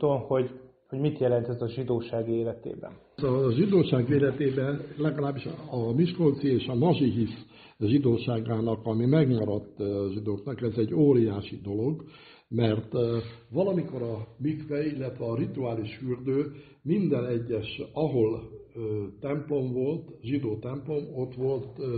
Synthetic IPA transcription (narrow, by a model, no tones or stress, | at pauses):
t̪onho̞ɟ | hoɟmit̪jɛlɛnt̪ɛzɒʒid̪oːʃaːɡeːlɛt̪ḛːbɛ̰n | zɒʒid̪oːʃaːɡʋeːlɛt̪eːbɛnlɛɡɒlaːbːiʃɒmiʃko̞lt̪sieːʃɒnɒʒiɦis | ʒid̪oːʃaːɡaːnɒkɒmimɛɡɲɒɾɒt̪ːʒid̪oːknɒkɛzɛɟːoːɾijaːʃid̪o̞lo̞ɡ | mɛrt̪ʋɒlɒmiko̞ɾɒmikʋɛilːɛt̪ʋɛɒrit̪uaːliʃhyːrd̪øː | mind̪ɛnɛɟːɛʃɒɦo̞løːt̪ɛmplo̞mvo̞lt̪ʒid̪oːt̪ɛmplo̞mo̞t̪ʋo̞lt̪